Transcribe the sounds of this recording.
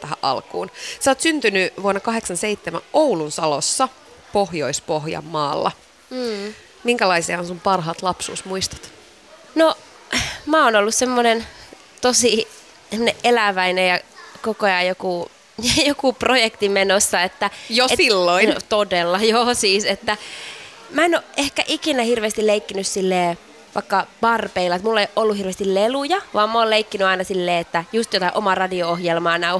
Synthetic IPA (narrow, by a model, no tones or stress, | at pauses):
t̪æɦæ̰ʔɑ̰lkṵːnsoːt̪synt̪ynyʋuonːɑkɑɦeksɑnseit̪ːemæ̰ʔowlunsɑlosːɑ | pohjoispohjɑ̰mːɑːlːɑ̰ː | miŋkælɑisiɑonsumpɑrɦɑːt̪lɑpsṵːsmuist̪ɑ̥t̪ | no | mæːoːnolːussemːonen | t̪osi | emoneʔelæʋæinejɑkokojɑjjoku | jokuprojekt̪imenosːɑet̪ːæjoesilːoit̪odelːɑjoːsiːset̪ːæ | mæenoʔʔehkæʔikinæhirʋeːst̪ileikːinyssilːeː | ʋɑ̰ikːɑb̥ɑrpeilːɑet̪mulːeiʔolːuhirʋeːst̪illelujɑʋɑːmmoːlleikːinyɑinɑsilːeːet̪ːæjust̪jot̪ɑiʔomɑrɑdioohjelmɑːnæu